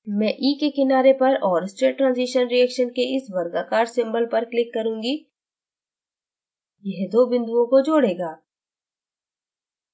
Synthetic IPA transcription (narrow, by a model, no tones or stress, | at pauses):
mɛ̃ːʔiːkekɪnaːɾepɐɾɔːɾsʈɾeːʈːɾãːnziʃənɾiɛːkʃənkeɪsʋɐɾɡakaːɾsɪ̃mbəlpɐɾklɪkːɐɾũːŋɡi | jɛɦd̪oːbɪ̃nd̪uõkod͡ʒoːɽeːɡaː